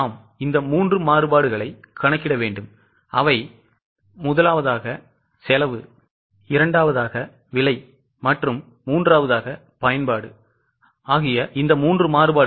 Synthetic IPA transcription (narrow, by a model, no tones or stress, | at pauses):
aːm | ɪnd̪ɐmuːndrɯmaːrɯbaːɽɯɣɐɭɐɪkːɐɳɐkːɪɽɐʋeːɳɖɯm | ʔɐʋɐɪ | mʊðɐlaːʋɐðaːɣɐ | sɛlɐʋɯ | ɪɾɐɳɖaːʋɐðaːɣɐ | ʋɪɭɐɪ | mɐʈrɯmː | uːndraːʋɐðaːɣɐ | pɐjɐnbaːɽɯ | aːɣɪjɐʔɪnd̪ɐmuːndrɯmaːrɯbaː